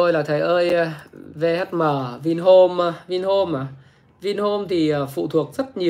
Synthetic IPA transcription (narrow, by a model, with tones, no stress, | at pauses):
o˧jlaː˨˩t̪ʰə˨˩jʔəː˧jve˧ha˦˥t̚məː˨˩vi˧nɦo˧m˧vi˧nho˧m˨˩ | vi˧nho˧mt̪ʰi˨˩ʔəː˨˩fṵ˧˨t̪ʰu˨˩ək̚zə˦˥t̚ɲi˨˩ə